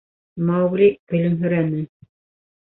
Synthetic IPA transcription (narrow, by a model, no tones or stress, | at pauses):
mɑwɣlʲikɵ̆lɘ̆nɦɵ̆ɾænɘ